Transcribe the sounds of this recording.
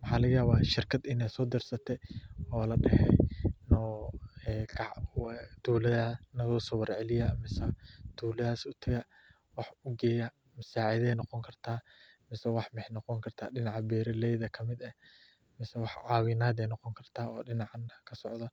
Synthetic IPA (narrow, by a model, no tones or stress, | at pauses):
mɑħaːlɐɣɐjaːβaːʃɪrkʰɐd̪ɪnɛsɔːd̪ɪrsɐt̪ʰɛɔːlɐɗɛhɛnɔɛkʰɑʕwd̪̥uːlɐðaːnɐɣɔːsɔwɐɾʕɛlɪjɐmɪsɐd̪̥ʰuːlɐðaːsʊt̪ʰɐɣɐ | wɑħʊɡɛːjɐ | mɐsaːʕɪðɛːjnɔqɔŋkʰɐrt̪ʰaː | mɪsɛwɑħmɛħnɔqɔŋkʰɐrt̪ʰaːɗɪnɑʕbɛːɾɐlɛjðɐkʰɐmɪd̪ɐ | mɪsɛwɑħʕɑːwɪnaːd̪ɛjnɔqɔŋkʰɐrt̪ʰaːɔːɗɪnɑʕankʰɐsɔʕd̪ɐ